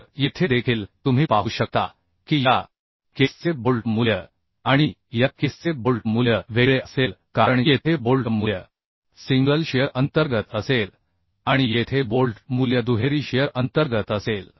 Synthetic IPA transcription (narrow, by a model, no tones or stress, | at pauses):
jit̪ʰed̪ekʰiːlt̪um̤iːpaɦuːɕək̚t̪a̰ | kiːja | kest͡sebolʈmuljə | aɽ̃ijakest͡sebolʈmuljəʋeɭeəselkaɾəɳjet̪ʰebolʈmuljə | siŋɡəlɕejəɾʔənt̪əɾɡət̪əsel | ãijet̪ʰebolʈmuljəd̪uɦeɾiːɕejəɾʔənt̪əɾɡət̪əsel